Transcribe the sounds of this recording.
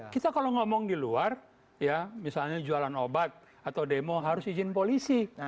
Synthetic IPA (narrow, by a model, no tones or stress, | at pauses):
kit̪akaloŋɔmɔŋdiluar | jamisalɲad͡ʒualanobat̪̚ | at̪awdemoɦaɾʊsid͡ʒɪnpolisi